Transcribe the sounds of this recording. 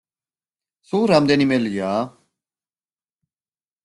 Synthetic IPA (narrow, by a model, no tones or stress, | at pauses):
suːɾamd̪enimeljaː